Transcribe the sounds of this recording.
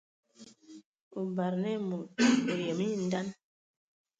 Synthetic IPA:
u˨ba˨ɾnɛ˦mu˨u˨jɛ˨mi˦n˦da˦n

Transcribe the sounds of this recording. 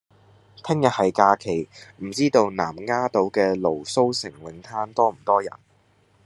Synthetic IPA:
t̪ʰɪ˥ŋjɐ˨t̚hɐ˨jkaː˧kʰe˨˩jm̩˨˩t͡siː˥t̪o˧wnaː˨˩mŋaː˥t̪o˨˥wkɛː˧lo˨˩wso˥wsɪ˨˩ŋwɪ˨˥ŋt̪ʰaː˥nt̪ɔː˥m̩˨˩t̪ɔː˥jɐ̰˨˩n

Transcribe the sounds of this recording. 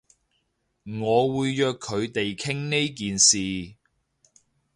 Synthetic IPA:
ŋɔː˨˧wuː˨˧jːœː˨˧kʰːɵ˨˧ɥt̪e˨jkʰɪ˥ŋne˥jk̬iː˨nsiː˨

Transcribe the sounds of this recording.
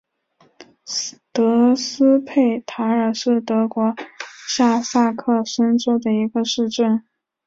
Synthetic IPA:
t̪ɤ˧˥sɹ̩˥pʰe˥˩ɪt̪ʰa˧˥ə˞˨˩ʂɻ̩˥˩t̪ɤ˧˥kwɔ˧˥ɕja˥˧sa˥˧kʰɤ˥˩ʂə˥nʈ͡ʂo˥ʊd̪ə˨i˧˥ɡə˧ʂɻ̩˥˧ʈ͡ʂə˥˩n

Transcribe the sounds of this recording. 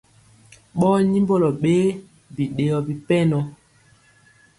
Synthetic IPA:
ɓɔ˦ɲi˦mbɔ˦lɔ˨ɓe˦ | bi˨ɗe˨jɔ˨bi˨pɛ˦nɔ˨

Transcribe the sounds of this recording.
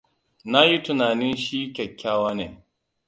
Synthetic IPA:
na˦ji˦tʊ˨naː˨nɪ˦nʃiː˦kʲɐ˨kʲːaː˦waː˦neː˨

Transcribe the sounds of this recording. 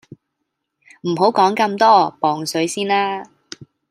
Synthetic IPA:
m̩˨˩ɦo˨˥wkɔː˨˥ŋkɐ˧mt̪ɔː˥pɔː˨ŋsɵ˨˥ɥsiː˥nlaː˥

